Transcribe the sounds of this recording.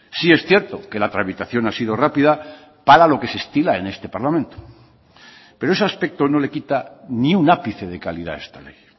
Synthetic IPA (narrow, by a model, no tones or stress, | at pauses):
sie̞sθje̞ɾt̪o̞ke̞lat̪ɾaβit̪aθjonasið̞o̞rapiða | paɾalo̞ke̞se̞st̪ilae̞ne̞st̪e̞paɾlamẽnt̪o̥ | peɾoeseaspek̚t̪o̞no̞le̞kit̪aniunapiθe̞ð̞e̞kaliða̰e̞st̪ale̞j